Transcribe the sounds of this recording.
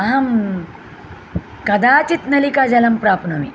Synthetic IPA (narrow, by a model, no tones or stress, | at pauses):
ɐɦɐm | kɐd̪aːt͡ʃit̪nɐlikad͡ʒɐlɐmpɾaːpnɐmi